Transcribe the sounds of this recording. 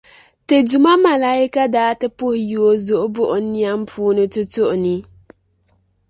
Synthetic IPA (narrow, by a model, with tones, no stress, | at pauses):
te˨du˨ma˦ma˨la˦i˦ka˦daː˦tɨ˦pʊ˦hɪ˨ju˨o˦zʊ˨ʔʊ˦bʊ˦ʔʊ˨˦ni˦a˦m˦pʰuː˦nɨ˦tʊ˦tʊ˦ʔʊ˨ni˦